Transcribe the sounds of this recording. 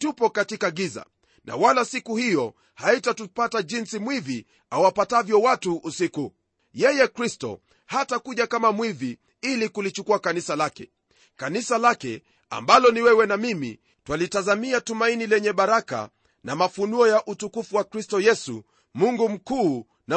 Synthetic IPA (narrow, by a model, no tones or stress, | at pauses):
tupɔkatikaɠiza̰ | nʔa̰walasikuhijɔ | haitatupataʄinsimwivi | awapatavjɔwatuːsiku | jɛjɛkɾistɔ̰ | hatakuʄakamamwivi | ilikulit͡ʃukuakanisalakɛ̰ | kanisalakɛ | a̰mbalɔniwɛwɛnamimḭ | twalitazamiatumainilɛɲɛɓaɾaka̰ | namafunuɔjaʔutukufuwakɾistɔjɛsṵ | muŋɡum̩kuː | na